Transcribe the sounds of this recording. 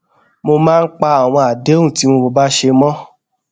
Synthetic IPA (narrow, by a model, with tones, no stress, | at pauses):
mo˧mãː˦˧n̩˦k͡pa˧a˨w̃ɔ̃˧a˨de˨˦ũ˦˨ti˨˦mo˧bo˧ba˦ʃe˧mɔ̃˦